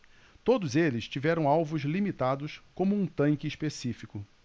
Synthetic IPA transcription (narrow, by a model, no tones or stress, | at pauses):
t̪od̪ʊzelɪst͡ʃivɛɾɐ̃w̃awvʊzlimit̪ad̪ʊskõmʊũt̪ɐ̃ŋkɪispesifikʊ